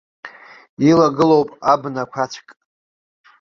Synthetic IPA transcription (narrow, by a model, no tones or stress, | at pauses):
ilaɡɨlowpʼabnakʷʰat͡ʃʷʰkʼ